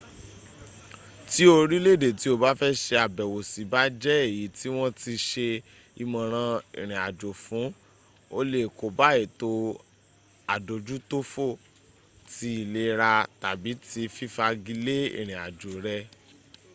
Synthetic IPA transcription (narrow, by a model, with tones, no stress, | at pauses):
ti˦o˧ɾi˦le˦˨de˨ti˦o˧ba˦fɛ˦ʃe˧a˨bɛ˨wo˨si˨˦ba˦d͡ʒɛ˦e˦˨ji˨˦ti˦w̃ɔ̃˦ti˧ʃe˧ | i˧mã˧˨ɾ̃ã˧ḛ˨ɾ̃ĩ˨a˨d͡ʒo˨fũ˨˦ | o˧le˦˨ko˨ba˨˦e˦˨to˧ | a˨do˨d͡ʒu˦to˦fo˦˨ | ti˧˦i˨le˨˦˧ɾa˧ta˨bi˨˦ti˧fi˦fa˧ɡi˧le˦ḛ˦˨ɾ̃ĩ˨a˨d͡ʒo˨ɾɛ˧